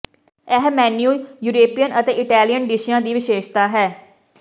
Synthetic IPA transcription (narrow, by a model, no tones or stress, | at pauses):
ɛɦmɛːnjuːjuːɾeːpijənʔət̪eːʔɪʈɛːlijənɖɪʃijãːd̪iːʋɪʃeːʃt̪aːɦɛː